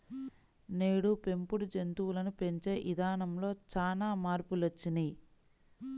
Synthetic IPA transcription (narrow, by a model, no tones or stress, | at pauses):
ne̞ːɽupe̞mpuɽud͡ʒe̞nt̪uwulɐnupe̞ɲt͡ʃe̞ːʔid̪ʱaːnɐmlo̞ːt͡ʃaːnaːmaːɾpulot͡ʃːini